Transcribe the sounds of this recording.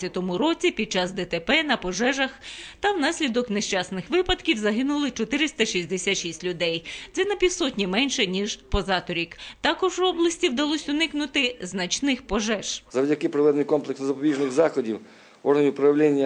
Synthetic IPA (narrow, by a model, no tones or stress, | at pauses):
ɐt̪ɔmʊɾɔt͡sʲipʲid̪̚t͡ʃɑsd̪ɛt̪epɛnɐpɔʒɛʒɐxt̪ɐwnɑsʲlʲid̪ɔkneʃt͡ʃɑsnɪxʋɪpɐd̪kʲiwzɐɦɪnʊlˠɪt͡ʃɔt̪ɪɾɪst̪ɐʃizʲd̪esʲat̪ʃisʲtʲlʲʊd̪ɛjd̪sɛnɐpʲiwsɔtʲnʲimɛnʲʃɛnʲiʒpɔzɑt̪ɔɾʲikt̪ɑkɔʒwɔblˠɐsʲtʲiwd̪ɐlˠɔsʲʊnɪknʊt̪ɪznɐt͡ʃnɪxpɔʒɛʒ̥zɐwdʲɐkɪpɾɪʋɛd̪nɪjkɔmplˠeksnɔzɐpɔbʲiʒnɪɣzɑxɔdʲiw | ɔrɦnʲʊpɾɐʋlʲɛnʲːɐ